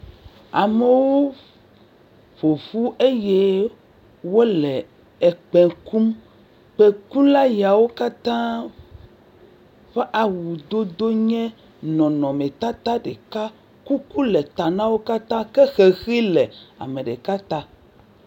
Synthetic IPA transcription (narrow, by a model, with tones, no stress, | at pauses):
a˨me˨wo˦ | ɸo˨ɸu˦ʔe˦je˦ | wo˦lɛ˨ | e˨k͡pɛ̃˨ku˦m | k͡pe˨ku˦la˦ja˨wo˦ka˦t̪ã˦ | ɸe˦ʔa˨wu˨d̪o˦d̪o˦ɲɛ̃˦ | nɔ̃˨nɔ̃˨mẽ˨t̪a˦t̪a˦ɖe˨ka˦ | ku˦ku˦le˨t̪a˨nã˦wo˦ka˦t̪ã˦ke˦xe˨xi˦lɛ˨a̰˨mẽ˨ɖḛ˨ka˦t̪ã˦